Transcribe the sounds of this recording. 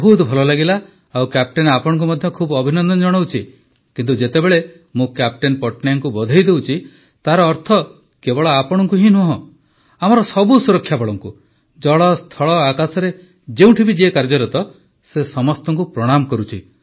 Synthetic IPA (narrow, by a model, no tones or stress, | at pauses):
ɦud̪bʱɔlɔlaɡila | awkap̚ʈenapɔɽɔ̃ŋk̬umɔd̪ʱjɔkʰubɔbʱinɔnd̪ɔnd͡ʒɔɽ̃ɔwt͡ʃʰi | kint̪ud͡ʒet̪ebeɭe | mũkap̚ʈenpɔʈnajaŋkubɔd̪ʱɔjd̪ewt͡ʃʰi | t̪aɾɔːɾt̪ʰɔ | kebɔɭɔapɔɽ̃ɔŋkuɦĩnuɦɔ̃ | amɔɾɔsɔbusuɾɔkʰːjabɔɭɔŋku | d͡ʒɔɭɔst̪ʰɔɭɔakasɔɾe | d͡ʒeũʈʰibid͡ʒekaɾd͡ʒɔɾɔt̪ɔ | sesɔmɔst̪ɔŋkupɾɔɽ̃amɔkɔɾut͡ʃʰi